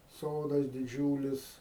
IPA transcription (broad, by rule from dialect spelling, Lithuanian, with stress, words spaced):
ˈsoːdɐs dʲɪˈd͡ʒʲuːlʲɪs